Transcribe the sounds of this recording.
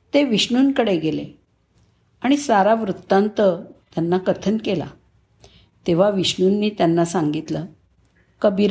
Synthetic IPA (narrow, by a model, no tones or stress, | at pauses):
t̪eʋiɕɳunkəɽeɡele | aɽ̃isaɾaʋɾut̪ːãnt̪ət̪janːakət̪ʰənkela̰ | t̪eʋ̤aʋiɕɳunːiːt̪janːasaŋɡit̪lə | kəbiɾ